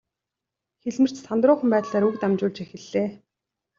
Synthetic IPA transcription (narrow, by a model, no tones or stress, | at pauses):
xeɮmɘ̆r̥t͡ɕsʰant̪rʊːχə̆mpæːt̪ɮaːɾukt̪amt͡ɕʊːɮt͡ɕexɘ̆ɮːeː